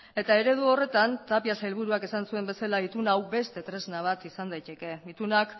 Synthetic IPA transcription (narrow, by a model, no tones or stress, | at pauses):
e̞t̪ae̞ɾe̞ðuo̞re̞t̪ant̪apiasaelβuɾuake̞sansue̞mbe̞salait̪unawbe̞st̪e̞t̪ɾe̞znaβ̞at̪isand̪ajt̪e̞ke̞it̪unak